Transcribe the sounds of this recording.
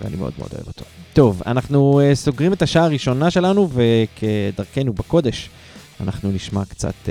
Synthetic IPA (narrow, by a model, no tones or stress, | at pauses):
vḛa̰nḭmeo̞̰d̪meod̪o̰e̞vo̞t̪ʰo̞̥t̪o̞va̰naχnueso̞ɡʁimet̪aʃaaːʁiʃo̞naʃe̞lanuve̞kʰed̪aʁkenubako̞d̪e̞ʃ | a̰naχnuniʃmakt͡sa̰t̪